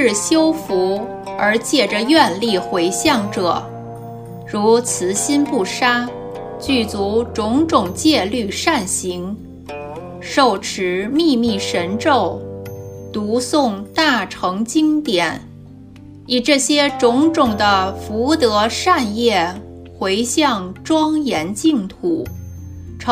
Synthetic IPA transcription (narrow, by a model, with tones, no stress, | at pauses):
ɻ̩˥˩ɕjo˥ʊfu˧˥ | ə˞˧˥t͡ɕjɛ˥˩ʈ͡ʂə˨jɥɛ˥˧nli˥˩xwe˧˥ɪɕjɑ˥˩ŋʈ͡ʂɤ˨˩˦ | ɻu˧˥t͡sʰɹ̩˧˥ɕi˥npu˥˩ʂa˥ | t͡ɕy˥˩t͡su˧˥ʈ͡ʂʊ˧˥ŋʈ͡ʂʊ˨˩ŋt͡ɕjɛ˥˧ly˥˧ʂa˥˩nɕi˧˥ŋ | ʂo˥˩ʊʈ͡ʂʰɻ̩˧˥mi˥˧mi˥˩ʂə˧˥nʈ͡ʂo˥˩ʊ | t̪u˧˥sʊ˥˧ŋt̪a˥˩ʈ͡ʂʰɤ˧˥ŋt͡ɕi˥ŋt̪jɛ˨˩˦n | i˨˩ʈ͡ʂɤ˥˩ɕjɛ˥ʈ͡ʂʊ˧˥ŋʈ͡ʂʊ˨˩ŋd̪ə˦fu˧˥t̪ɤ˧˥ʂa˥˧njɛ˥˩ | xwe˧˥ɪɕjɑ˥˩ŋʈ͡ʂwɑ˥ŋjɛ˧˥nt͡ɕi˥˩˧ŋt̪ʰu˨˩˦ | ʈ͡ʂʰ